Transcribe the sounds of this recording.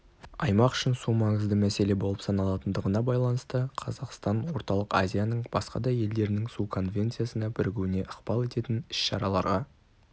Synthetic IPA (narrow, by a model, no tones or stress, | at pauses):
ɑjmɑqʏ̥ʃɪnsumɑɴəzd̪əmæse̞le̞bo̞lˠəpsɑnɑlˠɑt̪ənd̪əʁənɑbɑjlˠɑnəst̪əqʰɑzɑqst̪ɑnwo̞ɾt̪ɑlˠəqazʲijanəɴb̥ɑsqɑ̰d̪ɑje̞ld̪e̞ɾɪnɪŋsukʰo̞nvʲe̞nt̪sɨjasənɑbɪɾɡʲɪwɪne̞ʔəqb̥ɑlˠe̞t̪e̞t̪ɪnɪ̥ʃʃɑɾɑlˠɑɾʁɑ